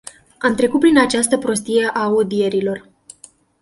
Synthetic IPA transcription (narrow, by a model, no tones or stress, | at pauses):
amt̪ɾe̞kut̪̚pɾinat͡ʃast̪əpɾo̞s̬t̪ije̞ʔaud̪ie̞ɾilo̞r